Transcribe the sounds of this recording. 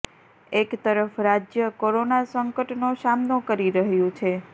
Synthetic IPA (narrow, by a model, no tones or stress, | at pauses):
ekt̪əɾəfɾad͡ʒjəkoɾonasəŋkəʈnosamnokəɾiɾəɦjũt͡ʃʰe